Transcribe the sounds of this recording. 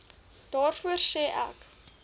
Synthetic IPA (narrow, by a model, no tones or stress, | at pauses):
d̥ɑːrfuərsɛːʔæ̰k